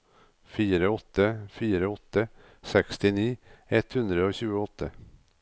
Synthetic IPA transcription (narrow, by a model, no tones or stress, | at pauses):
fiːɾəɔt̪ːəfiːɾəɔt̪ːə | sɛkst̪ɪniːɛt̪hʉnd̪ɾəoːçʉːəɔt̪ːə